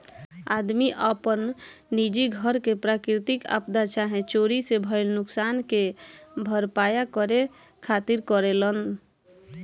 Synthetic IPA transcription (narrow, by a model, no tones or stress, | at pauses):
ad̪miʔəpənːid͡ʒiɡʱəɾkepɾakɾit̪ika̰pd̪at͡ʃaɦẽt͡ʃoɾisebʱəɪlnʊksankebʱəɾpajakəɾe | kʰat̪iɾkəɾelən